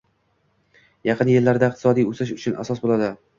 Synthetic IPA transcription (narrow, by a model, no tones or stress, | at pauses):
jɑqʰɨnjelːaɾd̪aɪq̚t̪ʰɪ̥sɒd̪ijɵsɪʃʊt͡ʃʰʊna̰sɒsbolˠad̪ɪ